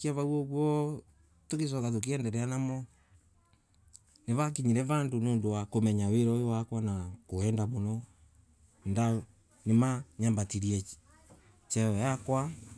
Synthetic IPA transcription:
kiaβawɔɣwɔ | tokes̬ɔkat̬ok̬iɛndɛɾɛanamɔ | neβak̬iɲiɾɛβandonoːndowakomɛɲaweɾɔojowakwanakoɛndaβonɔ | nda | nemaɲambatiɾiɛ | t͡ʃɛɔjakwa

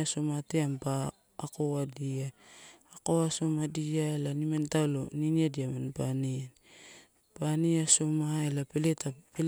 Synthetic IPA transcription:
aso̞mateambaː | kowadiaː | koaso̞madijaelanimentaloniniadiamanpanian | paniaso̞maelapeletapel

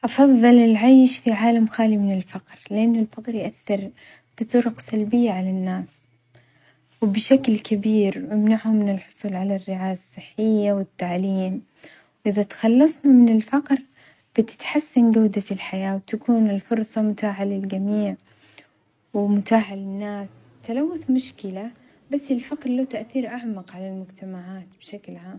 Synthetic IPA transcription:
ʔɑfɑðˤːɑlɪlʕajʃfiʕaːlamxaːlimɪnɪlfɑqɾlɪʔanːʊlfaqɾjʔaθːɪɾ | b̥ɨt̪ˤʊɾʊqsalbɪjːaʕalanːaːs | wɪbɪʃaklkabiːɾɪmnaʕhʊmːɪnɪlħʊ̥sˤuːlʕalarːɪʕaːjaasˤːɨħːɪjːawɪt̪ːaʕliːm | wʔɪðat̪ḁxɑlːɑsˤnamɪnɪlfɑqɾ | b̥ɪt̪ɪ̥t̪ħasːanɡawd̪alħajaːwt̪akuːnɪlfʊɾˤsˤɑmʊt̪aːʕalɪlɡamiːʕ | wɪmʊt̪aːħalɪnːaːs | t̪alawːʊθmʊʃkɪla | basːɪlfɑqɾlot̪aʔθiːɾʔaʕmaqʕalalmʊd͡ʒt̪amaʕaːt̪̚b̥ɪʃaklʕaːm

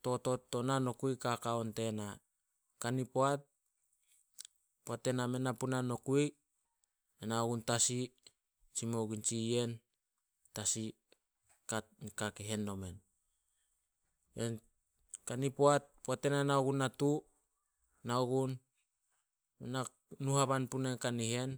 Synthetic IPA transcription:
to̞to̞tːo̞nano̞kuikakaonte̞na | kanipoat̚ | poate̞name̞napunano̞kuj | enaoɡuntasi | t͡ʃimoɡint͡ʃie̞n | tasi | kankakeɦe̞nːo̞me̞n | en | kanipoat̚poatenanaoɡunːatu | naoɡun | mena | nuhaβanpunenkaniɦe̞n

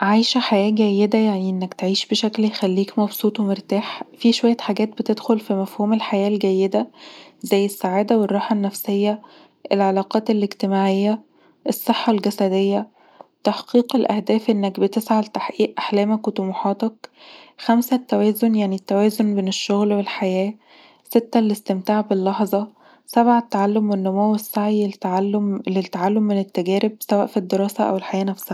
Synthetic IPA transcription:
ʕajʃæħajæːɡæjːed̪æjaʕniʔenːækt̪ʕiːʃbeʃækljexælːiːkmɑbsˤuːt̪wemeɾt̪aːħfiʃowæjːæt̪ħaɡæːt̪̚bet̪ed̪xolfimæfhuːmelħajæːlɡæjːed̪æzæjːesːaʕaːd̪æwerˤːɑːħɑnːæfsejːæ | ʔelʕɑlɑːqɑːt̪elːeɡt̪emaːʕejːæ | ʔesˤːeħːɑlɡæsæd̪ejːæ | t̪aħqiːqelʔæhd̪æːfʔenːækbet̪esʕalt̪aħʔiːʔʔaħlæːmækwet̪umuħɑːt̪ɑkxæmsæt̪ːæwæːzonjaʕnit̪ːæwæːzonbeneʃːoɣlwelħajæː | set̪ːælːest̪emt̪aːʕbelːɑħzˤɑ | sæbʕat̪ːaʕalːomwenːomowesːaʕiʕlːmlet̪ːaʕalːomːenet̪ːæɡæːɾeb̚sæwæ̰ːʔfid̪ːeɾˤɑːsæʔæ̰welħajæːnæfsæː

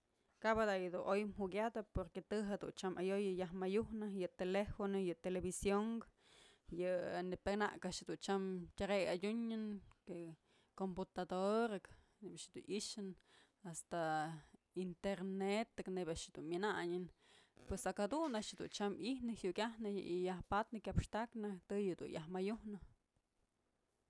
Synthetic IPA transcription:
kabad̪ajɨd̪unʔojmhukʲjad̪apoɾket̪ɨɦed̪ṵnt͡ʃamajojɨjaɦmajuhnɨjɨt̪elefonojɨt̪elebisjoŋk | jɨnɨpakna̰ʔkaʔʃhed̪unt͡ʃamtʲaɾejadʲuɲɨnke | komput̪ad̪oɾɨk | nebʲad̪uniʃɨn | ast̪a | int̪eɾnet̪ɨknebʲaʔʃɨd̪unmʲɨnaɲɨnpwesakad̪unaʃjɨd̪ṵnt͡ʃamihnɨhjuʔkʲahnɨijahpat̪nɨkʲjapʂt̪aknɨt̪ɨjɨd̪ṵnjahmajuhnɨ

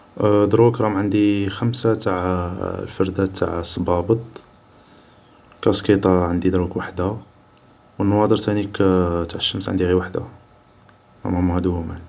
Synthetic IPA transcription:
d̪ɾukɾˤɑmʕənd̪ixəmsat̪aʕ̰lfɑɾˤd̪æt̪ʰːa̰ʕsˤːɑbɑbət̪ˤ | kæskit̪ˤɑʕənd̪id̪ɾukwaħd̪a | wənːɑwɑd̪əɾt̪ænikæt̪aʕəʃːəmsʕə̰nd̪iɣiwaħd̪a | ɾæ̰mæmhæd̪umæn

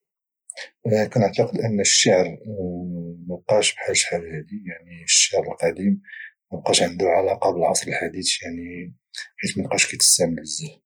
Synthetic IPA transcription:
kænəʕt̪ɑqəd̪ʔənːʃːaʕɾ | məb̚qɑʃbħalʃħalhæd̪ijaʕnifə̥ʃːaʕɾəlqɑd̪imməb̚qɑʃʕənd̪uɾʕalæqɑbəlʔɑ̰sˤləlħad̪it̪jaʕni | ħit̪mənqɑʃkæt̪ə̥st̪æʕmələzːæh

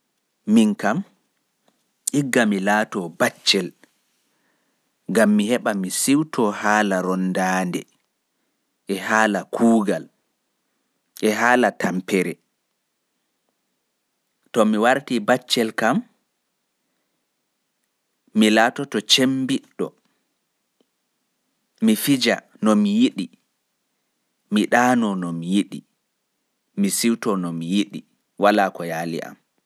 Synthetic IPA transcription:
miŋkam | ʔiɡːamilaːtɔbat͡ʃːɛl | ŋɡamːihɛɓamisiwtʰɔhaːlaɾɔndaːndɛ̰ | ʔɛhaːlakʰuːɡal | ʔɛɦaːlatampɛɾɛ | tɔmiwaɾtibat͡ʃːɛlkam | milaːtɔtɔt͡ʃembiɗːɔ̰ | mifid͡ʒa̰ | nɔmijiɗi | miɗaːnɔnɔmijiɗḭ | misiwtɔnɔmijiɗi | walakɔjaːlḭʔa̰m

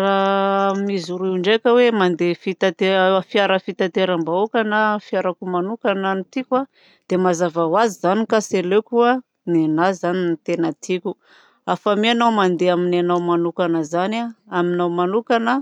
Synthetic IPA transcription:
ɾamizuɾiuɳɖ͡ʐekʲəwemand̪efit̪at̪efiaɾəfit̪at̪eɾambaokanafiaɾakumanukananit̪ikʲwa | d̪̥emazavawazizanikaselekuə | nenazaninit̪enət̪ikʲu | afameanawmand̪eaminanawmanukanəzanaaminawmanukanə

